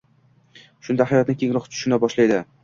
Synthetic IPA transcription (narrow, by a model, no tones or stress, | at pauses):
ʃʊnd̪ahajɒt̪nɪkʲʰeŋlˠɒχt̪ʰʊ̥ʃɪnabɒʃlajd̪ɪ